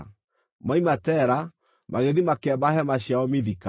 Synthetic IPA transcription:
maimatɛɾa | mʔaɣeðimakɛbaɦɛmaɕjaɔmiðika

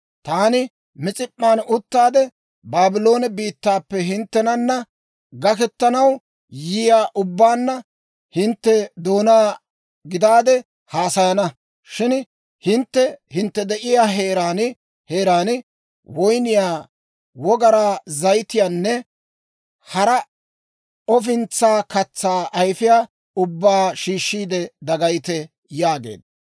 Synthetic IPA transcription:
t̪aːnɪ | mɪt͡sʼɪpʼːaːnʊt̪ːaːd̪ɛ | baːbɪlo̞ːnɛbiːt̪ːaːpːɛɦɪnt̪ːɛnɐnːɐ | ɡɐkɛt̪ːɐnɐw | jɪjaːʔʊbːaːnːɐ | hɪnt̪ːɛd̪o̞ːnaː | ɡɪd̪aːd̪ɛ | haːsɐjɐnɐ | ʃɪn | hɪnt̪ːɛhɪnt̪ːɛd̪ɛʔɪjaːɦeːɾaːnɪ | heːɾaːnɪ | wɔjnɪjaː | wɔɡɐɾaːzɐjt̪ɪjaːnːɛ | hɐɾɐ | ɔfɪnt͡sːaːkɐt͡sːaːʔɐjfɪjaː | ʊbːaːʃiːʃːiːd̪ɛd̪ɐɡɐjt̪ɛ | jaːɡḛːd̪ɐ

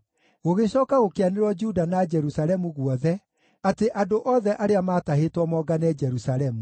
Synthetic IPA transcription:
ɣoɣeɕɔːkaɣokeaneɾwɔd͡ʒudanad͡ʒɛɾusaɾɛmuɣwɔðɛ | ateʔadoʔɔðɛʔaɾeamaːtaɦetwɔmɔːɡanɛd͡ʒɛɾusaɾɛmu

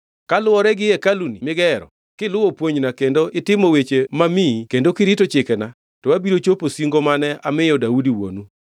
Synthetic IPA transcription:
kalʊɔɾɛɡɪɛkalunimɪɡɛɾɔ̰ | kɪlʊopwoɲnakendoʔɪtɪmɔwet͡ʃemamikendokɪɾitot͡ʃɪkɛna | tɔwabiɾot͡ʃoposiŋɡomanɛamɪjɔdaudiwo̰nu

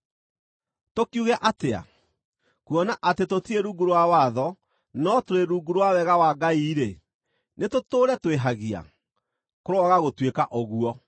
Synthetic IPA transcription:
tokjuɣɛʔatea̰ | kuɔnaʔatetotieɾuːɡuɾwawaðɔ | nɔtoɾeɾuːɡuɾwawɛɣawaɡaiːɾe | netotoːɾɛtweɦaɣia̰ | koɾoɔɣaɣotwekaʔoɣuɔ

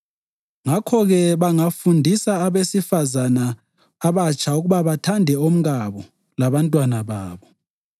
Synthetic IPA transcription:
ŋakʰɔɣɛβaŋafundʱisaːβesifazanaː | βat͡ʃʰʼauɣuβaβatʰandʱɛom̩ɣaβɔ | laβantʼwanaβaːβɔ

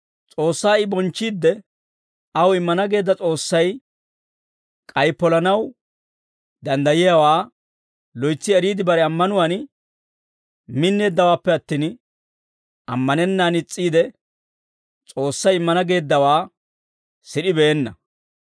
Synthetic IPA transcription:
t͡sʼo̞ːsːaːɪbɔnt͡ʃːiːd̪ːɛ | ɐwɪmːɐnɐɡe̞ːd̪ːɐt͡sʼo̞ːsːɐj | kʼɐjpːɔlɐnɐw | d̪ɐnd̪ɐjɪjawaː | lɔjt͡sːɪɛɾiːd̪ɪbɐɾɛɐmːɐnʊwan | mɪnːe̞ːd̪ːɐwaːpːɛɐt̪ːiːn | ɐmːɐnɛnːaːnɪt͡sʼːiːd̪ɛ | t͡sʼo̞ːsːɐjɪmːɐnɐɡe̞ːd̪ːɐwaː | sɪɗɪbeːnːɐ

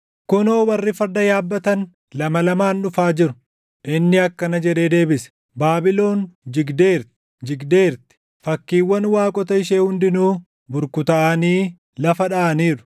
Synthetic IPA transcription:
kʊno̞ːwɐrːɪfɐɾd̪ɐjaːbːɐt̪ɐn | lɐmɐlɐmaːnᶑʊfaːd͡ʒɪɾʊ̥ | ʔɪnːɪɐkːɐnɐd͡ʒɛᶑe̞ːd̪e̞ːbɪsɛ̥ | baːbɪlo̞ːnd͡ʒɪɡd̪eːɾt̪ | d͡ʒɪɡd̪e̞ːɾt̪ɛ̥ | fɐkːiːwːɐnwaːkʼɔt̪ɐɪʃeːhʊnd̪ɪnuː | bʊɾkʊt̪ɐʔɐniː | lɐfɐᶑɐʔɐniːɾʊ̥

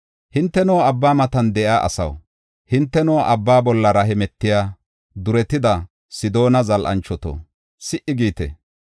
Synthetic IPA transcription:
hɪnt̪ːɛnɔwɐbːaːmɐt̪ɐnd̪ɛjaːʔɐ̰sɐ̰w | hɪnt̪ːɛnɔwʔɐbːaːbɔlːɐɾɐɦɛmɛt̪ːɪjaː | d̪ʊɾɛt̪ːɪd̪ɐ | sɪd̪o̞ːnɐzɐlʔɐ̰nt͡ʃːɔt̪ɔ̰ | sɪʔɪɡiːt̪ɛ̰

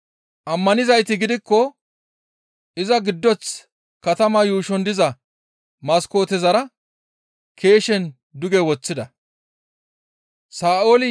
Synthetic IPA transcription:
ʔɐmːɐnɪzɐjt̪ɪɡɪd̪ɪkːɔ | ʔɪzɐɡɪd̪ːɔt͡s | kɐt̪ɐmɐjuːʃɔnd̪ɪzɐ | mɐsko̞ːt̪ɛzɐɾɐ | kʰe̞ːʃɛn | d̪ʊɡɛwɔt͡sːɪd̪ɐ | saːʔoːlɪ

